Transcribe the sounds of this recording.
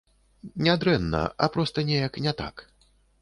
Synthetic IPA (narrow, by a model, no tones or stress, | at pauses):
nʲɛad̪ɾɛnːɐ̰ɐ̰pɾɔst̪ɐnʲejɐknʲɛt̪a̰k